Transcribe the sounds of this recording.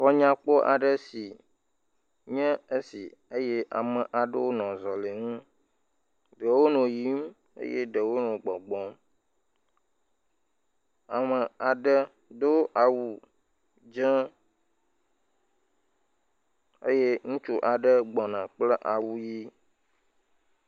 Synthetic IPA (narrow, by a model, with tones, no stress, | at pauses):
xɔ˦ɲã˦k͡po˦ʔa˨ɖə˦si˨ | ɲɛ̃˦e˦si˨e˦je˦ʔa̰˨mə̃˨ʔa˨ɖə˦wo˦nɔ̃˨zɔ˨le˨ŋũ˦ | ɖə˨wo˦nɔ̃˨ji˨˦m | ḛ˦jḛ˦ɖə˨wo˦nɔ̃˨ɡ͡bɔ˨ɡ͡bɔ̃˨˦m | a˨mə˨a˨ɖə˦ | de˦wo˦ʔa˨wu˨ | d͡ʒɛ̃˦ | ḛ˦je˦ŋũ˦t͡ʃu˦ʔa˨ɖə˦ɡ͡bɔ˨nã˨k͡plɛ˦ʔa˨wu˦ji˦